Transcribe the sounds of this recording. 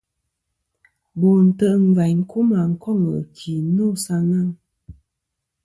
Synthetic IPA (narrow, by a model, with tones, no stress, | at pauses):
bo˨n̩˨tə˨ʔm̩˨va˨˦ŋ˦ku˦ma˨ŋ̩˨˦kɔ˦˨ŋə̰˨kʰi˨˦no˦˨sa˧ŋa˦˨ŋ